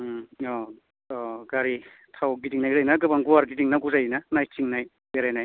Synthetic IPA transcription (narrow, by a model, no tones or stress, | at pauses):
ɔ | ɔɡaɾi | tʰawɡidiŋnajzajnaɡɯbaŋɡuwaɾɡidiŋnaɡuzajnanajtiŋnaj | beɾajnaj